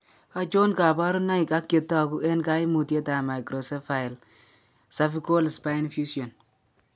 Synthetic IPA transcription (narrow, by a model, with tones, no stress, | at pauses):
a˨t͡ʃo˦nka˨ba˦ɾʊ˦na˦i˨ka˦kːe˨tːa˦˨ku˦ʔɛ˦nka˦i˦mu˨te˦ta˨ma˨jkɾɔ˨sɛ˦fa˨ɪ˨l | sa˦fi˦ko˦lspa˦ɪ˦nfju˦siɔ˨n